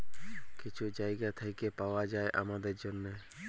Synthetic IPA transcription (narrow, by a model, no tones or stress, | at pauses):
kɪt͡ʃʰud͡ʒajɡat̪ʰaikepaoad͡ʒaeʔa̰mad̪eɾd͡ʒonːe